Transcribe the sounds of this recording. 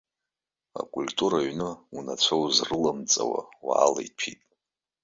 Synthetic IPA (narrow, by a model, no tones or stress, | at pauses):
a̰kʼultʼuɾaɥnɨunat͡ɕʷʰowzrɨlamt͡sʼawawaːlajpʰitʼ